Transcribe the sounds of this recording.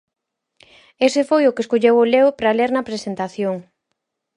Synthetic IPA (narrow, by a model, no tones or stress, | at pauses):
esefojʊkeskoʎewoleʊpɾaleɾnɐpɾesent̪aθjoŋ